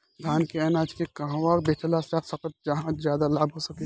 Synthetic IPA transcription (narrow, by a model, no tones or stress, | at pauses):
d̪ʱaːnkeɛnaːd͡ʒkekɐɦãʋaːɾbet̪əlasaːsɐkət̪̚d͡ʒɐɦãzjaːd̪alaːbɦosɐki